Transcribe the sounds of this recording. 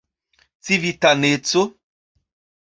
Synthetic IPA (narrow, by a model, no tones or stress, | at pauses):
t͡sivitanet͡so